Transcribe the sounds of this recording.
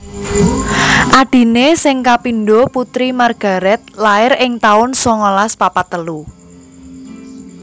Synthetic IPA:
ʔaɖ̥i̤nesɪŋkapinɖoput̪ɾimarɡ̥a̤ɾɛt̪̚laɪɾɪŋt̪aʊnsɔŋolaspapat̪əlu

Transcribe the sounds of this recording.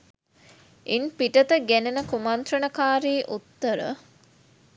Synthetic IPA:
ʔinpiʈət̪əɡænənəkumant̪ɾənəkaːɾiːʔut̪ːəɾə̰

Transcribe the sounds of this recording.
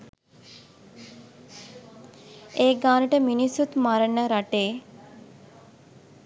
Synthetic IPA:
eːɡaːnəʈəminisut̪maɾənəɾaʈeː

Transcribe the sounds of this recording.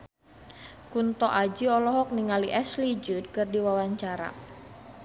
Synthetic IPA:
kunt̪ɔʔad͡ʒiɔlɔɦɔk̚niŋaliʔɛslid͡ʒud̚kərdiwawaɲt͡ʃaɾa̰

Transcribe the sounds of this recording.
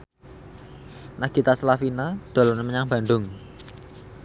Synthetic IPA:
naɡ̥it̪asəlafinad̪̥o̤lɔneməɲaŋb̥ä̤ɳɖ̪ʊŋ

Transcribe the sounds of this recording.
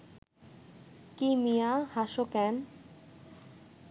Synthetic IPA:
kimijahaʃokɛn

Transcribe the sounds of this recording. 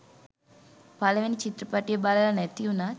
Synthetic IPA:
pɐlɐʋinit͡ʃit̪ɾɐpaʈijɐbaːlalɐnet̪ːijuna

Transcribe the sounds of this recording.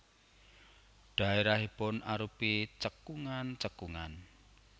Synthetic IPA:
ɖ̥a̤eɾaɦipʊnʔaɾupit͡ʃəkuŋant͡ʃəkuŋan

